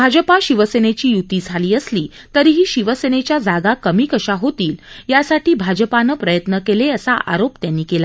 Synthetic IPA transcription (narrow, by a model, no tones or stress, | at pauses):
bʱad͡ʑəpaɕiʋəsenet͡ɕiːjut̪iːd͡zʱaliːəsliː | t̪əɾiːɦiːɕiʋəsenet͡ɕjad͡zaɡakəmiːkəɕaɦot̪iːljasaʈiːbʱad͡ʑəpanəpɾəjət̪nəkeleəsaʔa̰ɾopt̪janːiːkela